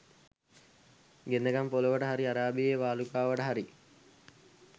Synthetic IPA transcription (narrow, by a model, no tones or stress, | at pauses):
ɡend̪əkampoloʋəʈəɦaɾiaɾaːbieːʋaːlukaːʋəʈəɦaɾi